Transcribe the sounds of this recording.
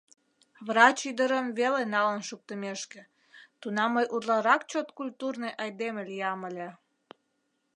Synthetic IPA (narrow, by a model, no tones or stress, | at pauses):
βrɑt͡ɕyd̪əɾəmvelenɑlənʃuk̚t̪əmeʃkĕ | t̪unɑmːəjʔurlɑɾɑkt͡ɕot̪kulʲt̪urnejʔɑjd̪eməlʲijɑməlʲe